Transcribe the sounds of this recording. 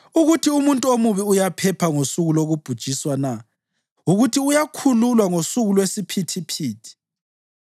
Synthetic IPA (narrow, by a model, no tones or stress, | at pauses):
uɣutʰiumuntʼuomuβiujapʰɛpʰaŋosuɣuloɣub̥ʱud̥ʒ̥ʱiswana | uɣutʰiujakʰululwaŋosuɣulwesipʰitʰipʰiːtʰi̥